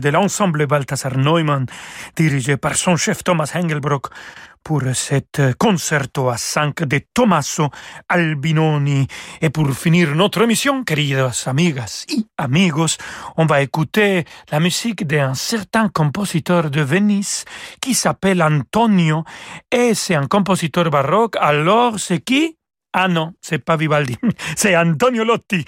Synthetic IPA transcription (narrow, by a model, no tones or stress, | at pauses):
d̪elãnsãmblebalt̪asaɾnojmãnd̪̥iɾiʒepaɾsõnʃɛft̪omashɛ̃ŋɡelbɾokpuɾset̪konsɛɾt̪oasãŋkd̪et̪omasoalbinoniepuɾfiniɾnot̪ɾoemisjõŋkeɾiðasamiɣasiamiɣosõɱvaekut̪elamysikd̪eãnseɾt̪ãŋkomposit̪oɾd̪əveniskisapelant̪onjoeseãŋkomposit̪oɾbarɔkaloɾseki | anõsepaβiβald̪inseant̪onjolot̪ːi